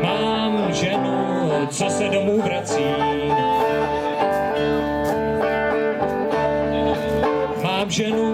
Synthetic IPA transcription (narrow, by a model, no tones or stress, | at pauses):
maː | m | ʒɛnu | t͡sosɛdomuːvɾat͡siː | maːmʒɛnu